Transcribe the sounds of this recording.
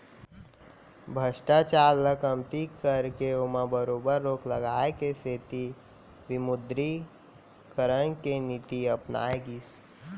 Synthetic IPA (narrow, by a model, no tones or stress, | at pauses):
bʱəʃʈat͡ʃaːlləkəmt̪ikəɾkeomãbəɾoːbəɾːoːkləɡaːekeseːt̪i | ʋɪmʊd̪ɾi | kəɾənkenit̪iəpna̰ːeɡis